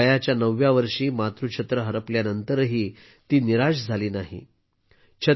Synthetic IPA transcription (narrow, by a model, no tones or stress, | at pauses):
əjat͡ɕjanəʋjaʋəɾʂiːmat̪ɾuɕʰət̪ɾəɦəɾəpljanənt̪əɾɦiː | t̪iːniɾaɕd͡zʱaliːnaɦḭ | ɕʰə